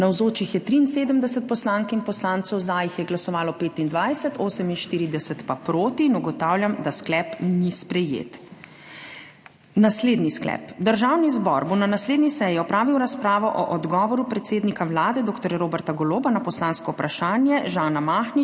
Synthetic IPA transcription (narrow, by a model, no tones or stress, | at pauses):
nawzoːt͡ʃixjɛt̪ɾiːnseːd̪əmd̪ɛsət̪̚pɔslaŋkinpɔslaːnt̪sɔwzajixjɛɡlasɔʋaːlɔpeːt̪ind̪ʋajsɛt̪ʰoːsəminʃt̪iːɾid̪ɛsɛt̪papɾoːt̪iːnuɡɔt̪aːwljamd̪asklɛpnispɾɛjḛːt̪ | nasleːd̪nisklɛ̰ːpd̪əɾʒaːwnizbɔ̰ɾbonanasleːd̪nisɛjiɔpɾaːʋiwɾaspɾaːʋɔʔɔʔɔd̪ɡɔːʋɔɾupɾɛt̪seːd̪nikawlaːd̪ɛd̪oːkt̪ɔɾjaɾoːbɛɾt̪aɡɔloːbanapɔslãːnskɔwpɾaʃaːnjɛʒaːnamaːxni